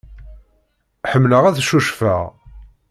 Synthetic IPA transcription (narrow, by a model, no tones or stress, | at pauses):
ħəmːləʁæθʃuʃfæ̰ʁ